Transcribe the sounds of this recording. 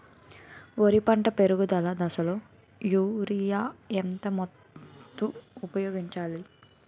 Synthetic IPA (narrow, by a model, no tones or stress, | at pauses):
oɾipɐɳʈɐpe̞ɾuɡud̪ɐlɐd̪ɐsɐloː | juːɾijaːent̪ɐmɔ | t̪ːuːpɐjoːɡiɲt͡ʃaːli